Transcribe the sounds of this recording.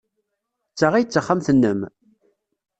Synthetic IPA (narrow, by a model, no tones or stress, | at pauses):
t͡sːaʁijt͡sːəχːamθənːəm